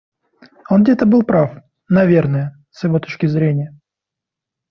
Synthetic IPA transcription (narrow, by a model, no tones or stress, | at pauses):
onɡdʲet̪əbɨlˠpɾaf | nɐvʲe̞rnəjə | sjɪvo̞t̪o̞t͡ɕkʲɪzɾʲenʲɪjə